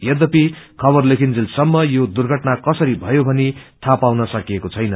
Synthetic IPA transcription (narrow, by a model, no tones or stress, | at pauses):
jʌd̪ʌpikʰʌbʌrlekʰind͡zilsʌmːʌjod̪urɡʱʌʈnakʌsʌɾibʱʌjobʱʌnit̪ʰapawnʌsʌkiekot͡sʰʌjnʌ